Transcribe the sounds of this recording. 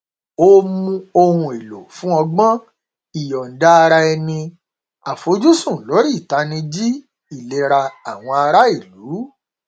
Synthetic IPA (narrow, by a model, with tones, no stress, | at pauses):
o˦mũ˧o˧hũ˧e˨lo˨fũ˦ɔ˧ɡ͡bɔ̃˦ | i˨jɔ˨n̩˨da˦˧ɾa˧ɛ˧nĩ˧ | a˨fo˨˦d͡ʒu˦sũ˦˨lo˨˦ɾi˦˨ta˨˦nĩ˧d͡ʒi˦ | i˦˨le˨˧ɾa˧a˨w̃ɔ̃˧a˧ɾa˦i˦˨lu˨˦